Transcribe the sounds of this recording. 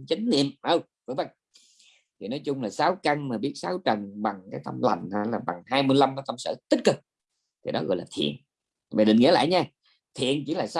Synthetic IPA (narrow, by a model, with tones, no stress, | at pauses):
t͡ɕa˨˦ŋ̟nḭ˧˨əmʔə˧˩w | və˧˦ŋvə˧˨˩jŋ | t̪ʰi˨˩nɔ˨˦jt͡ɕʊ˧ŋ͡mlaː˨˩saː˨˦wka˧ŋmaː˨˩ɓi˦˥t̚saː˨˦wt͡ɕə˨˩nɓa˨˩ŋkaː˨˦jt̪ə˧mla˨˩ŋ̟haː˧˩laː˨˩ɓa˨˩ŋhaː˧jmɨ˧əjla˧mkɔ˨˦t̪ə˧msə̰˧˩t̪ï˦˥t̚kɨ˨˩k̚ | t̪ʰi˨˩ɗɔ˨˦ɣɔ̰˧˨jlaː˨˩t̪ʰḭ˧˨ən | va̰ː˨˩ɗï˨ŋḭ˧˥əla̰ː˧˨jɲaː˧ | t̪ʰḭ˧˨ənt͡ɕi˧˩laː˨˩sa˨˦